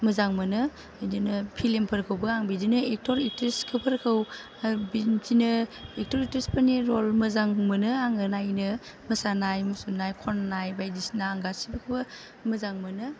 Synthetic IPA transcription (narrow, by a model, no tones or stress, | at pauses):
mɐzaŋmɐnɯ | dinɯpʰilempʰɐɾkʰɯwbɐaŋbidinɯek̚tʰɔɾitɾeskʰɯpʰɐɾkʰɯw | bizinɯek̚tɔɾitespʰaniɾolmɐzaŋmɐnɯaŋɯnajnɯ | mɐsanajmusunajkʰɔnnajbajdisnaːŋɡasi̥bɯkʰɯbɐ | mɐzaŋmɐnɯ